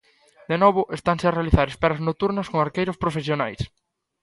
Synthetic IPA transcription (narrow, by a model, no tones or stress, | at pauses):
d̪enɔβʊʔest̪aŋsearealiθaɾespɛɾɐznot̪uɾnɐskoŋaɾkejɾospɾofesjonajs